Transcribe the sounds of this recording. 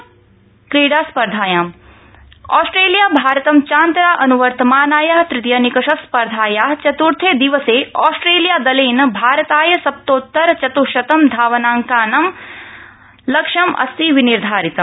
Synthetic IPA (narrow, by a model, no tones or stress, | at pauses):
kɾiːɽaːspɐɾd̪ʱaːjaːm | aːsʈɾeːlijaːbʱaːɾɐt̪ɐmt͡ʃaːnt̪ɾaːʔɐnuʋɐɾt̪ɐmaːnaːjaːɦt̪ɾɪt̪jɐnikɐʃɐspɐɾd̪ʱaːjaːt͡ʃɐt̪uɾt̪ʰeːd̪iʋɐseːaːsʈɾeːlijaːd̪ɐleːnɐbʱaːɾɐt̪aːjɐsɐp̚t̪oːt̪ːɐɾt͡ʃɐt̪uʃɐt̪ɐmd̪ʱaːʋɐnaːŋkaːnɐm | lɐkʂɐmʔɐ̰st̪iʋiniɾd̪ʱaːɾit̪ɐm